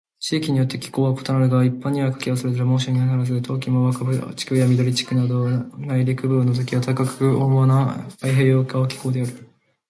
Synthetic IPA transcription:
t͡ɕiːkʲiɲ̟ijo̞t̪ːe̞kʲi̥ko̞ːβako̞t̪onaɾɯ̟ɡaipːãɲ̟ːiβakḁkʲiβasɨɾezaɾamo̞ːɕ̬oːɲ̟ihanaɾaz̬ɨt̪ʰo̞ːkʲimoβakabɯ̰t͡ɕi̥kɯjamʲid̪o̞ɾʲit͡ɕi̥kɯ̟nad̪o̞naiɾʲikɯ̟bɯ̟ːnːo̞t̪̬o̞kʲiβat̪ʰakakɯ̟omana̰pːaiɦe̞ːjo̞ːkaokʲi̥ko̞ːd̪eaɾɯ̟

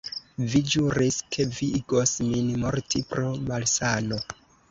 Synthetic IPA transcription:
vid͡ʒuɾiskʰe̞viiɡo̞sminmoɾtipɾomalsano̞

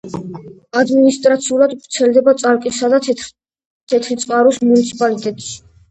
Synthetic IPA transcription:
ad̪minist̪ʼɾat̪sʰiulad̪ɾt̪sʰɛld̪ɛbat̪sʼalkʼisad̪a | t̪ʰɛt̪ʰɾit̪sʼqʼaɾɔsmunit̪sʰi̥pʼalit̪ʼɛt̪ʼʃi̥

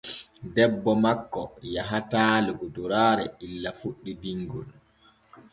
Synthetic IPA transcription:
dɛbːɔmakːɔjaɦataːluɡɔduɾaːɾɛilːafuɗːibiŋɡul

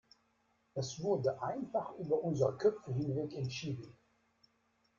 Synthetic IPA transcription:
əsvʊʁdəʔaɪnfaχyːbɐʔʊnzəʁəkʰœfəɦɪnvɛkɛntʃiːdən̩

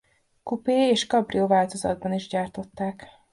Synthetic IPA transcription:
kupeːeːʃkɒbrioːvaːlt̪o̞zɒ̰d̪̚bɒniʒɟaːrt̪o̞t̪ːaːk

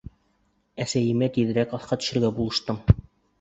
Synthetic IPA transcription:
æsæjɘ̆mæt̪iðɘ̆ɾækɑθqɑt̪ɵ̥̆ʃɘ̆ɾɡæbulˠɤ̆ʃt̪ɤm

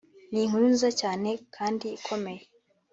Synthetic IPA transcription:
niːŋ̥uɾunzacaːne̞kʰaːndiːkʰo̞me̞je

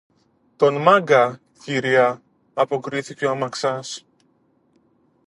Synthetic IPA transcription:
t̪o̞nmɐɡɐ | ciɾiɐ | ɐpo̞kɾiθiceoɐmɐksɐs

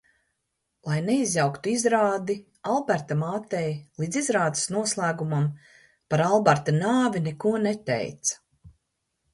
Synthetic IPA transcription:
lˠajneizʲjawkt̪uizɾaːd̪i | alˠbaɾt̪amaːt̪ɛjlˠiːd̪zizɾaːd̪i̥snuɔslˠæːɡumam | paɾalˠbaɾt̪anaːvinɛkuɔnɛt̪ɛ̰jt̪sḁ

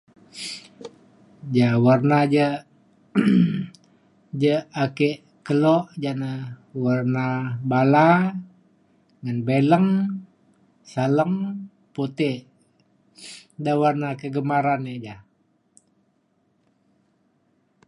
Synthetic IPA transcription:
d͡ʒawarnad͡ʒə | d͡ʒəakeʔ | kəlɔʔd͡ʒanəwarnabala | ŋanbeləŋ | saləŋ | pot̪eʔ | dawarnakəɡəmaɾaned͡ʒa

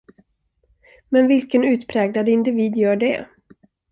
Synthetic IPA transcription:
mɛnvɪlkənʉ̟ːt̪pʰɾɛːɡlad̪ɪnd̪ɪviːd̪jœːɖɛ̰

